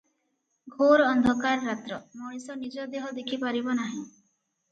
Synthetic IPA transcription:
ɡʱoɾɔnd̪ʱɔkaɾɔɾat̪ɾɔmɔɽ̃isɔnid͡ʒɔd̪eɦɔd̪ekʰipaɾibɔnaɦĩ

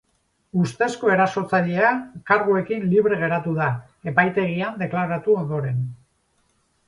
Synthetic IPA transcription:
ust̪e̞sko̞e̞ɾaso̞t͡saʎeakaɾɣue̞kinliβ̞ɾe̞ɣ̞e̞ɾat̪uða | e̞pajt̪e̞ɣ̞iand̪e̞klaɾat̪uo̞nd̪o̞ɾe̞n

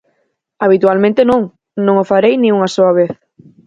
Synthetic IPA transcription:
aβ̞it̪ualmẽnt̪ɪnõŋ | nõŋofaɾejnĩŋuŋasoɐβ̞eθ

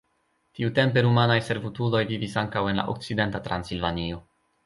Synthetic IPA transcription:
tiute̞mpe̞ɾumanajse̞ɾvutudo̞jvivisaŋkawe̞nla̰ʔo̰k̚t͡side̞ntatɾa̰nsilvanio̞

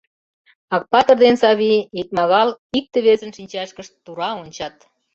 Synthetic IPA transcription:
ɑk̚pɑt̪ə̆rd̪ensɑβiit̪̚mɑɣɑlik̚t̪eβezə̆nʃinʲt͡ɕæʃkəʃuɾɑonʲt͡ɕɑt̪

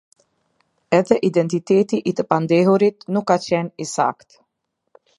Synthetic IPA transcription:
ɛðɛʔid̪ɛnt̪it̪ɛt̪iʔit̪əpand̪ɛɦuɾit̪nukːat͡ɕɛnisa̰kt̪

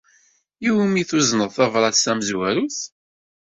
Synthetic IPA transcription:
iwmiθuznəðˤθɑvɾˤɑsæməzwæɾuθ

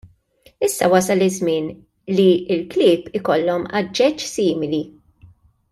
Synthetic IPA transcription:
ɪsːɐwɐsɐlɪzmɪːn | liɪlklɪːpɪkɔlːɔmɐd͡ʒːɛt͡ʃːsiːmɪli

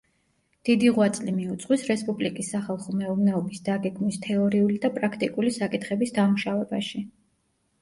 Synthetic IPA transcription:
d̪̥id̪iʁwat̪sʼlimiut̪sʼqʼwisɾɛspʼublikʼisːaχalˠχɔmɛuvnɛɔbisd̪aɡɛɡmnist̪ʰɛɔɾiulid̪apʼɾakʰt̪ʼikʼulisakʼit̪ʰχɛbisd̪amuʃavɛbaʃi

